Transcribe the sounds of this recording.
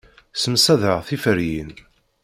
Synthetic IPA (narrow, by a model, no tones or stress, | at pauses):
səmsæðəʁθifəɾjin